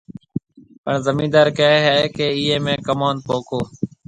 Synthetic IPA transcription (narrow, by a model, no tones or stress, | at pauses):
pəɳzəmĩːd̪aːɾkəɦɛːkeːiːɦeːmẽːkəmaːnpoːkʰoː